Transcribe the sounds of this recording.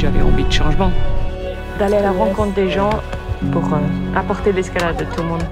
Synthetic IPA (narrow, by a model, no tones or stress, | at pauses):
ʒavɛ̰ɑ̰̃vid̪əʃɑ̃ʒmɑ̃ | d̪alealaʁɑ̃kɔ̃t̪χd̪eʒɑ̃ | puʁəapɔʁt̪elɛskalad̪ːət̪ulmɔ̃d̪